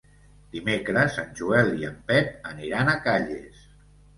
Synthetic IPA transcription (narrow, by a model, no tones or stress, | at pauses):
d̪̥imekɾəzənʲʒuɛlˠiəmpɛp̚əniɾanakaʎḛs